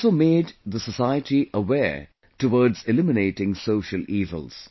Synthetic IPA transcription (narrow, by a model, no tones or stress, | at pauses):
someːd̪ðəsəsaɪəʈiʔəwɛ | ʈəwɔːɖzɪlɪmɪneːʈɪ̃ŋsoːʃəlʔiːvə̰lz̥